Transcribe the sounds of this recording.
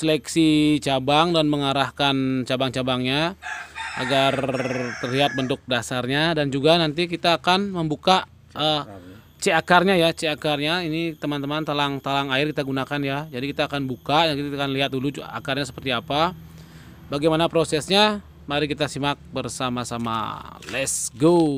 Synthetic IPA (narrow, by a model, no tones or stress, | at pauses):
səlɛksit͡ʃabaŋdanməŋaɾahkant͡ʃabaŋt͡ʃabaŋɲa | a̰ɡart̪ərliɦat̪̚bənt̪ʊk̚dasarɲadand͡ʒuɡanant̪ikit̪aːkanməmbuka | ə | t͡ʃeakarɲajat͡ʃeakarɲainit̪əmant̪əmant̪alaŋt̪alaŋaɪrkit̪aɡunakanjad͡ʒadikit̪aːkanbukaakiakanliɦat̪̚dulua̰karɲasə̥pərt̪iapa | baɡajmanapɾosɛsɲa | maɾikit̪asimak̚bərsamasama̰lɛsɡo